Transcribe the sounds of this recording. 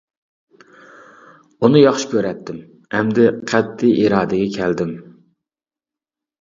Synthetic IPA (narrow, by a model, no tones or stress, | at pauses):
unɨjɑχʃi̥kʲøɾɛt̪ʰːɪm | ɛmd̪ɪqʰɛt̪ʰːiʔiɾɑːd̪ɪɡʲɛkʲʰɛld̪ɪm